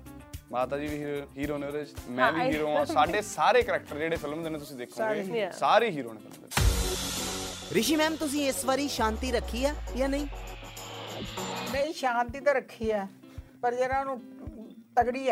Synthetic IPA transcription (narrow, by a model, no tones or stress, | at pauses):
maːt̪aːd͡ʒiːʋiːɦiːɾoːneːoɾeːt͡ʃmɛ̃ːʋːiːɾõːsaːɖeːsaːɾeːkəɾɛk̚ʈəɾeːɽeːpʰɪlmd̪eːnẽːt̪̬ʊsĩːd̪eːkʰoːɾsaːɾiːɦiːɾoːneːpʰɪlmd̪ḛ | ɾɪʃiːmɛ̃ːmt̪ʊs̬ĩːɪsʋaːɾiːʃãːnt̪iːɾəkʰːiːaːjaːnəĩː | nəĩːʃãːnt̪iːt̪ãːɾəkʰːiːɛː | pəɾd͡ʒeːɾãːnũːt̪əɡɽiː